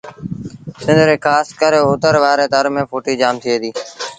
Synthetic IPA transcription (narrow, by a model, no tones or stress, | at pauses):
sɪnd̪ʱɾeːkʰaːskəɾeːoːt̪əɾʋaːɾeːt̪əɾmẽːpʰoːʈiːd͡ʒaːmt̪ʰieːd̪iː